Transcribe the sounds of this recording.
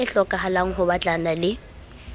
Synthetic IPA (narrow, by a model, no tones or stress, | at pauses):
ɪɬɔkʼaɦalaŋ̩ɦʊbat͡ɬʼanalɪ